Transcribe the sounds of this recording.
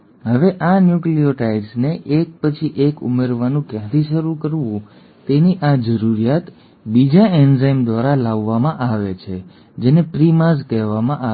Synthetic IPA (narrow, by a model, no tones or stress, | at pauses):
ɦəʋeʔanjuklioʈaiɖsneʔek̚pət͡ʃʰiʔekṵmeɾʋanũkjãt̪ʰiʃəɾukəɾʋũ | t̪eniʔad͡ʒəɾuɾijat̪ | bid͡ʒaenzajmd̪ʋaɾalaʋːamãʔaʋet͡ʃʰe | d͡ʒenepɾimazkɛɦʋamãʔa